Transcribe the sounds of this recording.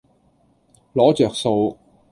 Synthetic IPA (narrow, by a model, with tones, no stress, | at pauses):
lɔː˨˥t͡ʃœː˨k̚so˧w